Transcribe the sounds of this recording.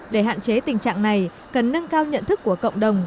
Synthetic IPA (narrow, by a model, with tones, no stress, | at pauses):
ɗe˧˩ɦa̰ː˧˨nt͡ɕe˨˦t̪ï˨˩ŋ̟t͡ɕa̰ː˧˨ŋna˨˩j | kə˨˩nːə˧ŋkaː˧wɲə̰˧˨nt̪ʰɨ˦˥kːu˧˩əkə̰˧˨wŋ͡mɗə˨˩wŋ͡m